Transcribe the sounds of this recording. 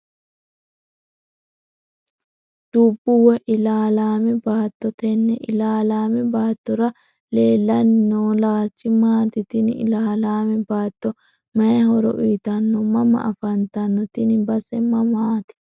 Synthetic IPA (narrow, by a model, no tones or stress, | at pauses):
d̪̥uːbːʊwɛʔɪlaːlaːmɛbaːt̪ːɔt̪ɛnːɛʔɪlaːlaːmɛbaːt̪ːɔɾɐ | leːlːɐnːoːlaːt͡ʃːɪmaːt̪ɪt̪ɪnɪɪ̰laːlaːmɛbaːt̪ːɔ | mɐɛɦɔɾɔ̰ʔiːt̪ɐnːɔmɐmɐ̰ʔɐfɐnt̪ɐnːɔt̪ɪnbɐsɛmɐmaːt̪ɪ̥